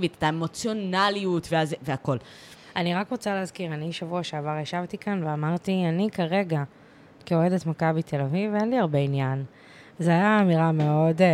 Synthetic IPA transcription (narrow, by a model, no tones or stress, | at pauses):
vite̥taemo̞t͡sjonaliutveazveako̞l | ʔaniʁakʁot͡saleazkiʁaniʃavuaʃeavaʁjaʃavt̪ikanveamaʁt̪ianikaʁe̞ɡa | keoedet̪makabit̪ʰe̞lavivenliaʁbe̞injan | zeajaːmiʁameo̞d